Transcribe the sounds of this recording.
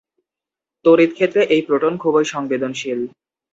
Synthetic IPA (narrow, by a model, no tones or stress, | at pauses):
t̪oɾit̪kʰet̪ːɾeʔejpɾoʈonkʰobojʃɔŋbed̪onʃil